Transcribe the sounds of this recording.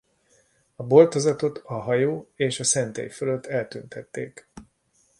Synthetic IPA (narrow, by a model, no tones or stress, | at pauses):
ɒbo̞lt̪o̞zɒt̪o̞t̪ɒɦɒjoːeːʃɒsɛnt̪ḛːjføløt̪ːɛlt̪ynt̪ɛt̪ːḛːk